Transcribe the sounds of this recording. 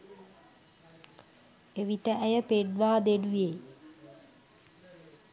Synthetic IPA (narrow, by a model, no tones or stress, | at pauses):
eʋiʈəæjəpeɖʋaːd̪eɖuje